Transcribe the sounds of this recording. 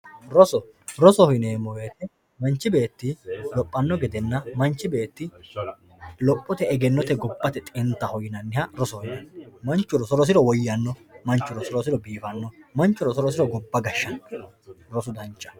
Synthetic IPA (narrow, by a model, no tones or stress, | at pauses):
ɾɔsɔɾɔsɔhɪneːmɔwet̪ɛ | mɐnt͡ʃːɪbe̞ːt̪ːɪlɔpʼːɐnːɔɡɛd̪ɛnːɐmɐnt͡ʃːɪbe̞ːt̪ːɪ | lɔpʼːɔt̪ɛɛɡɛnːɔt̪ɛɡɔbːɐt̪ɛt̪ʼɪnt̪ːɐhɔjɪnɐnːɪhɐɾɔsɔhɪnɛmɐnt͡ʃːʊɾɔsɔɾɔs̬ɪɾɔwɔjːɐnːɔmɐnt͡ʃːʊɾɔsɔɾɔsɪɾɔbiːfɐnːɔmɐnt͡ʃːʊɾɔsɔɾɔsɪɾɔɡɔbːɐɡɐʃːɐ | ɾɔsʊd̪ɐnt͡ʃːɐ̥